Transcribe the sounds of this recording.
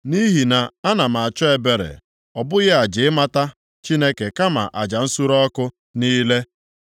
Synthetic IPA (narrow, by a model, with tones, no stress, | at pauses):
ni˦ɦi˨na˨a˦na˨m̩˨a˨t͡ʃɔ˦e˨be˨ɾḛ˨ | ɔ˨bʊ˦ɣɪ˦a˨d͡ʒɪ˨ɪ˦ma˦ta˦ | t͡ʃi˦ne˦ke˨ka˦ma̰˨ʔa̰˨d͡ʒa˨n̩˦su˦ɾɔ˦kʊ˦ | niː˦le˦